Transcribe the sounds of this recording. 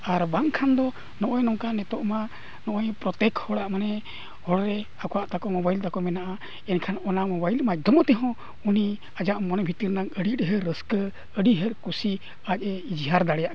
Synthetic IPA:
aɾbaŋkʰand̪ɔ | nɔʔɔjnɔŋkanɛt̪ɔʔma | nɔʔɔjpɾɔt̪ɛkhɔɽaʔmanɛ | hɔɽɾɛ | akɔwaʔt̪akɔmɔbajlt̪akɔmɛnaʔa | ɛnkʰanɔnamɔbailmac̚d̪ʱɔmɔt̪ɛɦɔ̃ | uni | ad͡ʒaʔmɔnɛbʱit̪iɾnaŋəɽiʈɦəɾəskə | əɖiɦəɾkusi | ac̚ɛid͡ʒɦaɾd̪aɽɛjaʔ

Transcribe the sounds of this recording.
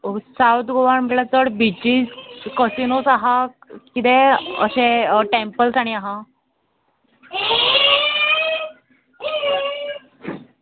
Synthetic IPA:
sawt̪ɡoʋaɳmelat͡səɽbʱid͡ʒikəsinosaɦa | kid̪eə̰ɕẽʈẽmpəlsaɽ̃iaɦã

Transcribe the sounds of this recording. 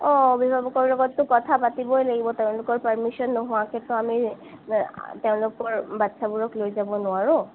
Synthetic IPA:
ɔbibʱabɔkɔɹlɔɡɔtːʊkɔtʰapatibɔjlaɡibɔteʊ̃lʊkɔɹpəɹmisɔnːɔɦʊakɛtʊami | teʊ̃lʊkɔɹbatːsabuɹɔklojzabɔnʊaɹʊ

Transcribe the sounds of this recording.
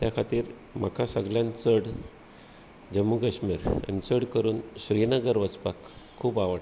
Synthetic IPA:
t̪jakʰat̪iːɾ | m̤akʰasəɡljãnt͡səɽ | d͡ʑəmːukəɕmiːɾa̰nit͡səɽkəɾuːnɕɾinəɡəɾʋət͡spakʰː | uːbaʋəʈ

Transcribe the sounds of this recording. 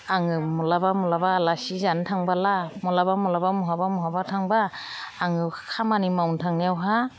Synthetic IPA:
aŋɯmɔlabamɔlabaːlasizantʰaŋbalamɔlaβamɔlabamɔɦabamɔɦabatʰaŋbaː | ŋɯkʰamanimawntʰaŋnijawɦa

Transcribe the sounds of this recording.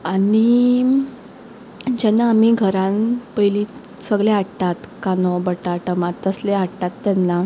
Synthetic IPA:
aɽi | d͡ʑɛnːaːm̤iɡʱəɾãnpəjli | səɡɭeaɽt̪at̪kanɔbəʈaʈəmat̪ːəsleaɽt̪at̪ːɛnːa

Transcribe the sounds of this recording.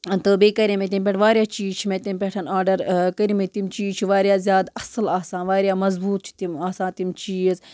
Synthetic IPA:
t̪ɨbeːkɐɾʲimẽt̪̬ʲimp̬ʲeʈʰʋaːɾjaːt͡ʃiːzt͡ʃʰimẽt̪impʲeʈʰɐnaːɖɐɾkɐɾimet̪imt͡ʃiːzt͡ʃʰiʋaːɾjaːzʲjaːd̪ɐslaːsãːnʋaːɾjaːmɐzbuːt̪̚t͡ʃʰi̥t̪imaːsãːnt̪imt͡ʃiːz

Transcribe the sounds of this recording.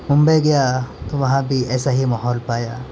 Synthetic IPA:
mʊ̃mbəjɡɐjat̪oʋɐɦãbʱiɛːsaɦimaɦɔːlpaːjaː

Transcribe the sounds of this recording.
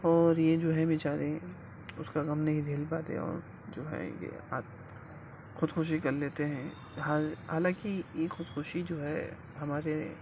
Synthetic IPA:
ɔːɾjed͡ʒoːɦɛmɪt͡ʃaːɾẽ | ʊskaɡɐmneɦid͡ʒʱeːlbaːt̪ḛ̃ɔ̰ːɾ | d͡ʒoːɦɛ̰jḛa̰ːt̪ | xʊd̪xʊʃ̬ikɐɾleːt̪eɦɛ̃ | ɦaɦaːlãːkijexʊd̪xʊʃid͡ʒoːɦɛ | ɦɐmaːɾe

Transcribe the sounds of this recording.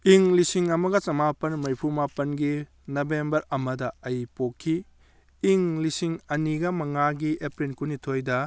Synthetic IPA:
iŋlisiŋɐmɐɡɐt͡ʃɐmapɐnmɐjpʰumapɐnɡi | nɐbembɐɾɐmɐdɐɐjpokʰːi | iŋlisiŋɐniɡɐmɐŋaɡiepɾinkunitʰojdɐ

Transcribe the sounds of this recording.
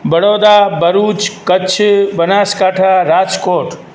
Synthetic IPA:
bəɽod̪abəɾut͡ʃkəːt͡ʃʰbənaskaʈʰaɾad͡ʒkoʈ

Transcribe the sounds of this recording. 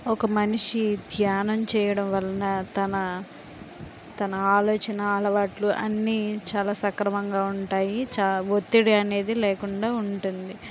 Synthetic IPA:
ɔkɐmɐniʂid̪ʱjaːnɐmt͡ʃɛːjɐɽɐmʋɐlːɐnɐt̪ɐnɐ | t̪ɐnɐaːloːt͡ʃɐnɐaːlɐʋaːʈluʔɐ̰nːiːt͡ʃaːlaːsɐkɾɐmɐŋɡaːuɳʈaːjit͡ʃaːʋot̪ːiɽiɐne̞ːd̪ileːkuɳɖaːuɳʈund̪i

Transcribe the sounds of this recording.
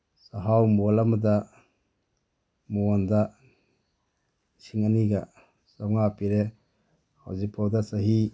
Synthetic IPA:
saɦawmulamuda | muanda | siŋaniɡa | sawŋapiɾe | ha̰wzik̚pʰawdasaɦi

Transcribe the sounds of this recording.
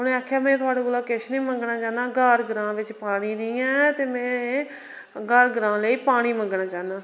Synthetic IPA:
ɦʊnẽːaːkʰːjaːmɛ̃ːt̪ʊaːɽeːkolaːkɪʃnĩːməŋɡnãːt͡ʃaːnãːɡəɾɡəɾãːʋɪt͡ʃpaːɽ̃iːniːɛ̃ːt̪eːmɛ̃ː | ɡəɾɡəɾãːləiːpaːɽ̃iːməŋɡnãːt͡ʃaːnaː

